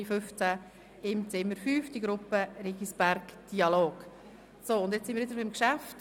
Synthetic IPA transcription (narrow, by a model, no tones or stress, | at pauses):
ifʏft͡sæ | ɪmt͡sɪmːəɾfyːfd̥iɡɾʊpːəɾiɡisb̥æɾkd̥iɑloːk | soːʊndɛt͡ssɪnmiːɾʋɪdəɾbɪmkʃæft